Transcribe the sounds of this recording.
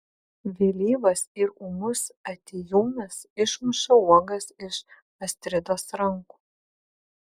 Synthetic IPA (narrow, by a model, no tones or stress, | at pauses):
ʋʲelʲiːʋɐsɪɾuːmʊsɐt̪ʲijuːmʲɐsɪʃmʊʃɐuɔɡɐsɪʃ | ɐsʲt̪ʲɾʲɪd̪oːsɾɐŋku̥ː